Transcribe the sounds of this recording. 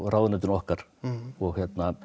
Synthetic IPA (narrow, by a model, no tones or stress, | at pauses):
raːwðɪnat̪̬ɪnɔhkaɾ̥ɔɣçjɛt̪na